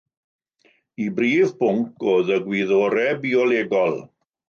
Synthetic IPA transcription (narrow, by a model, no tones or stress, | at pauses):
ibriːvbʊŋkʰoːðəɡwiðoːɾɛbiɔleːɡɔlˠ